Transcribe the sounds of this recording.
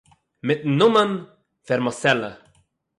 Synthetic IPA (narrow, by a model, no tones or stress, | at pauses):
mɪt̪̚n̩ːʊmən | fɛɾmasɛlə̰